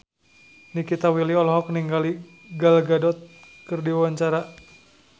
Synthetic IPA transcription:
nikit̪awiliɔlɦɔk̚niŋɡali | ɡalɡadɔt̪̚ | kɨrdiwaɲt͡ʃaɾa

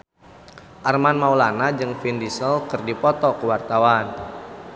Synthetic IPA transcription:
ʔarmanmaulanad͡ʒɨŋfindisəlkɨrdipɔt̪ɔkəwart̪awan

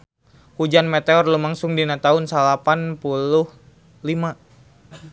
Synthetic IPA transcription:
hud͡ʒanmet̪eɔrlumaŋsʊŋdinat̪aʊnsalapanpulʊh | lima

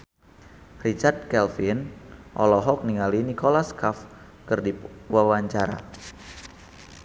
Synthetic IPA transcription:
rit͡ʃard̪̚kɛlfinʔɔ̰lɔɦɔk̚niŋalinikolaskaf | kɨrdiwawaɲt͡ʃaɾa̰

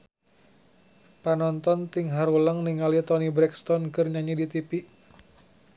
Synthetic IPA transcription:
panɔnt̪ɔnt̪iŋɦaɾuləŋniŋalit̪ɔnibɾɛkst̪ɔnkɨrɲaɲidit̪ipiʔ

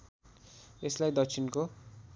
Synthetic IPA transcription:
eslajd̪ʌk̚sʰinko

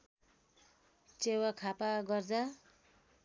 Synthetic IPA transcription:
t͡sewakʰapaɡʌrd͡za

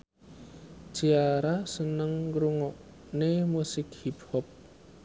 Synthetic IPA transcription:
d͡ʒiaɾasənəŋɡɾuŋɔʔ | nemusɪk̚hiphɔp̚

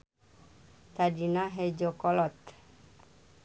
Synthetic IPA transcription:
t̪adinaɦɛd͡ʒɔkɔlɔt̪̚

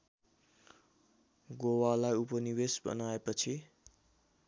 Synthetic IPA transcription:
ɡowalajupʌniwesbʌ̰naepʌt͡sʰi

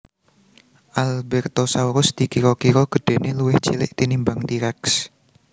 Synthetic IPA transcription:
ʔalbɛrt̪ɔsauɾʊsd̪̥ikiɾɔkiɾɔɡ̥ə̤ɖ̥e̤neluwɪht͡ʃilɪʔt̪inimbaŋt̪iɾɛks

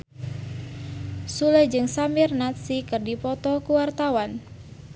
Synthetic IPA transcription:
sulɛd͡ʒɨŋsamirnat̪̚sikɨrdipɔt̪ɔkuwart̪awan

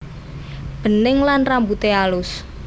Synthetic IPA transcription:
b̥ə̤nɪŋlanrambut̪ealʊs

